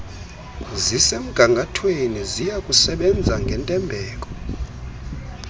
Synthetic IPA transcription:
zisem̩ɡ̥ʱaŋɡʱatʰwenizijakʼusɛɓɛnd͡zʱaŋɡʱɛntʼɛmbʱɛːk̬ʼɔ̥

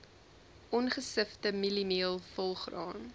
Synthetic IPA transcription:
ʔɔnχəsəftəmilimiəlˠfɔlˠχrɑːn

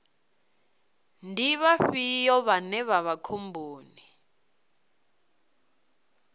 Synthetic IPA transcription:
ndʱiβaɸijɔβanɛβaβakʰombʱoːni

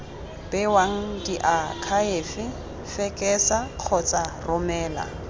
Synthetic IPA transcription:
b̥ɪwaŋ̩diʔakʰaeːfɪ | fɛkʼɛsaq͡χʰɔt͡sʼarʊmɛːla̰

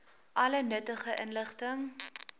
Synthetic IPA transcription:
ʔɐlənətəχəʔənləχtəŋ

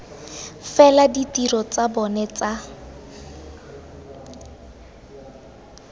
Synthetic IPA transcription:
fɛladitirɔt͡sabɔnɛt͡sa

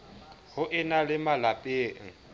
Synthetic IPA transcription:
hʊʔɪnalɪmalapʼeːŋ̩

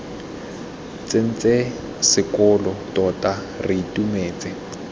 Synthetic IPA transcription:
t͡sʼen̩t͡sʼe | sɪkʼɔlɔtɔtʼa | riitʼumeːt͡sʼɪ

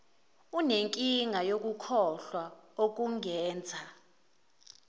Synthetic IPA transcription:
uneŋkʼiŋʱajok̬ʼukʰɔɬwaok̬uŋɛːnd͡zʱa

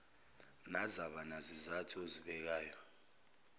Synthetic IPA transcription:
nazaɓanazizatʰioziɓɛk̬aːjɔ

